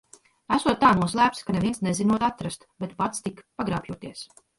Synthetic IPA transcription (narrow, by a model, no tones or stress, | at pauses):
æsuɔt̪̚ːaːnuɔslˠæːp̚t̪skaneviɛnsnezinuɔt̪at̪ɾast̪bet̪pat̪st̪ikpaɡɾa̰ːpjuɔt̪iɛs